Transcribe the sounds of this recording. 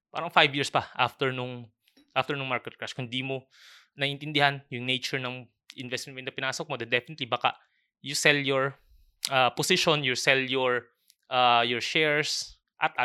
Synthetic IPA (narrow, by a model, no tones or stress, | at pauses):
pa̰ːɾɐŋfajbjiːɹspɐʔa̰ft̪ɛɹnʊŋ | ʔaft̪ɛɹnʊŋmaɹkɛt̪̚kɹaʃkʊnd̪imo | nɐʔɪnt̪ɪnd̪ɪhanjʊŋnejt͡ʃʊɹnɐŋ | ʔɪnvɛst̪mɛnmoɪnd̪ɐpɪnaːsok̚mod̪ɐd̪ɛfɪnɪt̪libaka̰ | jʊsɛljɔɹ | ʔɐposɪʃonjʊsɛljɔɹ | ʔajɔɹʃɛɹs | ʔɐt̪ʔa